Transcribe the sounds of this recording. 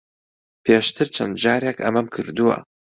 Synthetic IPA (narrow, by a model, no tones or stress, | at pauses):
pʰeːʃt̪ʰɨɾt͡ʃʰɐnd̪d͡ʒaːɾekʰɐ̰mɐmkʰɨɾd̪uwɐ̰